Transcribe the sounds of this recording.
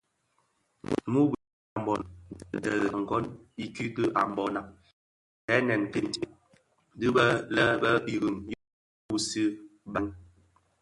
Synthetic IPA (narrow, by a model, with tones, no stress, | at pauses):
mu˦b | a˨mbɔ˨tɛ˨lə˨ŋ̩˨ɡɔ˦ni˦ki˦kə˦ʔa̰˨mbɔ˦na˨ | ɛ˦nɛ˨n˨ke˨nt | di˦bə˦lə˦bə˦bi˨ɣi˨ŋj | u˦si˦ba˦ŋ